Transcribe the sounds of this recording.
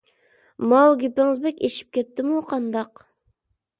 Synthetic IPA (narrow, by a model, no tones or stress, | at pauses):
mɑlˠɡʲepɪŋɪzbɛkʲeʃi̥p̚kʲʰɛt̪ːɪmuqʰɑnd̪ɑq